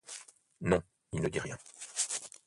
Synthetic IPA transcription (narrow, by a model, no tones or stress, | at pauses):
nɔ̃ | ilnəd̪iʁjɛ̃